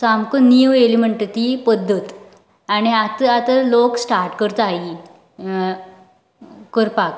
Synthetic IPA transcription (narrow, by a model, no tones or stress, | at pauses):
samkəniʋeliməɳʈt̪ipəd̪ʱːət̪ | añiat̪əat̪aloksʈaɾʈkəɾt̪ai | kəɾpak